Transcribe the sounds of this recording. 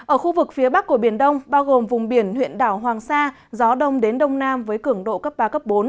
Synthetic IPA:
ʔəː˧˩xu˧vɨ˨˩k̚fi˨˦əɓa˦˥k̚ːu˧˩ɓi˧˩ənɗə˧wŋ͡mɓaː˧wɣo˨˩mvʊ˨˩ŋ͡mɓi˧˩ənhwḭ˧˨ənɗaː˧˩wɦwaː˨˩ŋsaː˧ | zɔ˨˦ɗə˧wŋ͡mɗe˨˦nɗə˧wŋ͡mnaː˧mvəː˨˦jkɨ˧˩əŋɗo̰˧˨kə˦˥p̚ɓaː˧kə˦˥p̚ɓo˨˦n

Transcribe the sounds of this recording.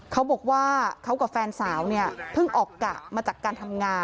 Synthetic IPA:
kʰa˦˥wbɔː˨˩k̚waː˥˩kʰa˦˥wka˨˩fɛː˧nsaː˩˦wni˥˩ɐpʰɯ˥˩ŋʔɔː˨˩kːa˨˩ʔmaː˧t͡ɕaː˨˩kːaː˧nt̪ʰa˧mŋaː˧

